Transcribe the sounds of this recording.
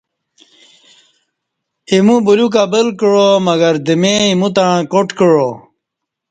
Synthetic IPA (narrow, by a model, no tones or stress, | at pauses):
imũbuluk̬abəlkəɻomɐɡɐɾd̪imẽimũt̪aɻ̃koʈkəɻo